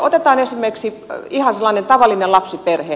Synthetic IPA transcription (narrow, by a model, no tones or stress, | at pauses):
ot̪et̪ɑːnesimːerksi | ihɑnselːɑːnent̪ɑʋɑlːˑinellɑpsiperheː